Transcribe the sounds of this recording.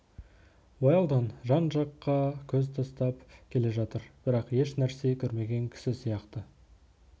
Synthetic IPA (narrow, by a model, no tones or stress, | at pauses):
wojɑlˠd̪ɑnʒɑnʒɑqːɑkʲʰɵzt̪ʰɑst̪ɑpkʲʰe̞le̞ʒɑt̪əɾb̥ɪɾɑqje̞ʃnæɾse̞kʲʰɵɾme̞ɡʲe̞ŋkʲʰɪ̥sɪsijɑqt̪ə